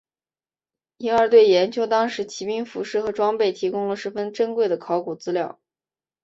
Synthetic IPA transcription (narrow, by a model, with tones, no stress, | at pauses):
i˥ŋə˞˧˥t̪we˥˩ɪjɛ˧˥nt͡ɕʰjo˥ʊt̪ɑ˥ŋʂɻ̩˧˥t͡ɕʰi˧˥pi˥ŋfu˧˥ʂɻ̩˥˩xɤ˧˥ʈ͡ʂwɑ˥ŋpe˥˩ɪt̪ʰi˧˥kʊ˥ŋlə˨ʂɻ̩˥fə˥nʈ͡ʂə˥nkwe˥˩ɪd̪ə˩kʰɑ˧˥ʊku˨˩t͡sɹ̩˥ljɑ˥˩ʊ